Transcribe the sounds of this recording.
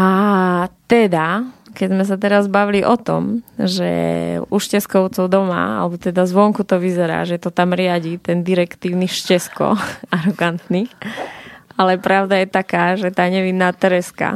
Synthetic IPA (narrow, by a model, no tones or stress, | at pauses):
ʔat̪ɛd̪akɛɟzmɛs̬at̪ɛɾazbaʋiliʔɔt̪ɔ̰mʒɛ̰uʃcɛskɔʊt͡sɔʊd̪ɔma̰a̰lɛbɔt̪ɛd̪azʋɔŋkut̪ɔʋizɛɾa̰ːʒɛt̪ɔt̪amɾɪaɟit̪ɛnd̪iɾɛkt̪iːʊniʃcɛskɔ̰aɾɔɡant̪nix | alɛpɾaʊd̪ajɛt̪akaːʒɛt̪aːɲɛʋinːaːt̪ɛɾɛska̰